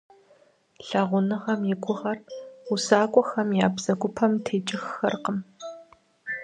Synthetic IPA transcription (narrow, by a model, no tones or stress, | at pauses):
ɬɐʁʷʊnɨʁɐmjɪɡʷʊʁɐrʊsaːkʷʼɔxɐmjaːbz̥ɐɡʷʊpʰɐmtʰeːt͡ʃʼɪxːɐrqəm